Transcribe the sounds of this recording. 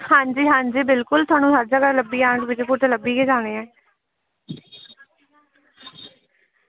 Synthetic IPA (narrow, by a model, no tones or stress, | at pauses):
hãːɲd͡ʒiːɦãːɲd͡ʒiːbɪlkʊlt̪ʰʊaːnũːsaːɾd͡ʒaːkəɾləbːiːãːd̪ʋɪt͡ʃːkʊt̪ələbːiːkeːd͡ʒaːɽ̃eːɛː